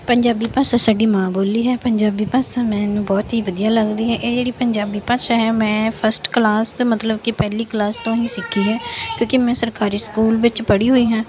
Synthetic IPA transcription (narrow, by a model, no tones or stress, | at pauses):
pəɲd͡ʒaːbiːpaːsãːsaːɖiːmãːboːliːɦɛːpəɲd͡ʒaːbiːpaːsãːmɛ̃ːnũːbɔːt̪ɦiːʋəd̪ijaːləɡd̪iːɦɛːʔeːd͡ʒeːɽiːpəɲd͡ʒaːbiːpãːʃaːɦɛːmɛ̃ːpʰəɾsʈklaːsmət̪ləbkɪpɛːliːklaːst̪õːnĩːsɪkʰːiːɦɛːkjõːkɪmɛ̃ːsəɾkaːɾiːskuːlʋɪt͡ʃpəɽiːɦoːiːɦãː